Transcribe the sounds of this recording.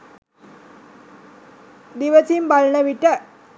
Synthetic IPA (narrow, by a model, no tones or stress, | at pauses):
d̪iʋɐt͡ɕimbɐɭɳɐʋiʈːɐ